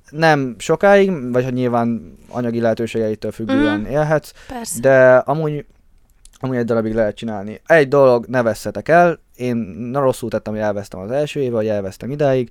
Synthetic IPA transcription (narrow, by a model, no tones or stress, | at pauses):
nɛmʃo̞kaːjiɡvɒchoɟɲilvaːnɒ̰ɲɒɡilɛɦɛt̪øːʃeːɡɛjit̪øːlfyɡːøːɛneːlɦɛt̪s | d̪ɛɒmuːɟ | ɒmuːɟɛɟd̪oɾɒbiɡlɛɦɛt̪t͡ʃinaːlniɛɟd̪o̞lo̞ɡnɛvɛshɛt̪ɛkɛl | eːnro̞sːult̪ɛt̪ːɛmoɛlvɛst̪ɛmɒzɛlʃøːeːvɛvɒɟɛlvɛst̪ɛmid̪aːjiɡ